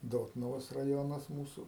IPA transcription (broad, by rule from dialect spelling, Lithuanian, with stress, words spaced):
ˈdoːtnʊʋoːs rɐˈjoːnɐs ˈmuːsʊ